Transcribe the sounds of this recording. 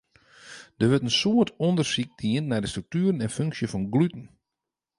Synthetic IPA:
d̥əʋøtənsoətɔndərsik̚diənːɛjdəstrøk̚tyːɾənɛnføŋksjəfɔnɡlytən̩

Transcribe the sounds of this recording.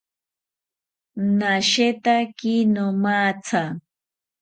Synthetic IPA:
naʃet̪akinomaːt͡sʰa

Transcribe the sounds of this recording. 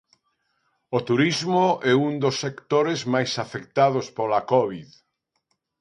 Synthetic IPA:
ot̪uɾizmoɛund̪osːekt̪oɾezmajsafekt̪að̞ospolakɔβið

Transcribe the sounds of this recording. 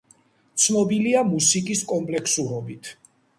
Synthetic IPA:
t̪sʰnɔbiliamusikʼiskʼɔmpʼlɛksuɾɔbit̪ʰ

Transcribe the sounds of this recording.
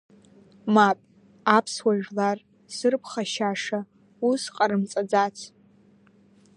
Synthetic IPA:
mapʼ | apʰswaʒᶣlar | sɨrpʰχaʃaʂa | usqʼaɾɨmt͡sʼad͡zat͡sʰ

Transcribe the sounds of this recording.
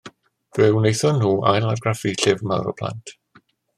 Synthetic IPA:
v̥ɪwnejθɔnːuːʔa̰jlˠarɡrafiɬɪvma̰wɾɔ̰pʰlˠa̰ntʰ

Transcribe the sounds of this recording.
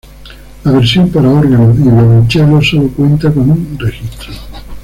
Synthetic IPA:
laβ̞eɾsjompaɾaoɾɣanoðiβlolent͡ʃjaɾosolokwẽ̞nt̪akonũnrexist̪ɾo

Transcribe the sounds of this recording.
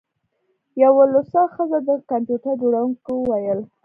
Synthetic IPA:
jawolosɑxəzad̪əkampjuʈaɾd͡ʒoɽawuŋkowajəl

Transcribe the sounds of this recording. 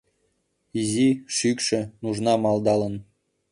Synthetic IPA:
iziʃykʃə̆nuʒnɑmɑld̪ɑlən

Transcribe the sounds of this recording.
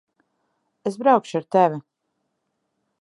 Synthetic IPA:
es̬bɾawkʃuaɾt̪ɛvʲi

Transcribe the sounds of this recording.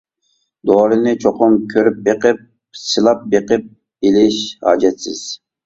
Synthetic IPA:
d̪oːɾɨnɨt͡ʃʰoqʊmkʲʰøɾyp̚beqɪp̚ | sɨlˠɑp̚beqɪp̚ | ilɪʃhɑ̰ːd͡ʒɛt̪sɪz̥

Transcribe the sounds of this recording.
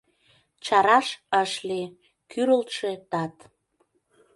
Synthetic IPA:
t͡ɕɑɾɑʃəʃle | kyɾəlt̪ʃet̪ɑt̪

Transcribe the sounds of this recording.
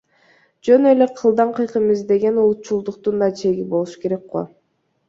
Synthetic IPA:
d͡ʒø̞neleqʰɯlˠd̪ɑɴqʰɯjqɯmizd̪e̞ɡe̞nulˠut̪̚t͡ʃulˠd̪uq̚t̪und̪ɑt͡ʃʰe̞ɡibo̞lˠuʃu̥ke̞ɾe̞k̚qo̰

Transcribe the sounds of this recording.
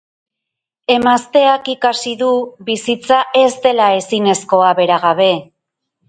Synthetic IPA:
e̞mast̪e̞akikasiðuβisit͡saʔe̞zd̪e̞lae̞sine̞sko̞aβe̞ɾaɣ̞aβ̞e̞

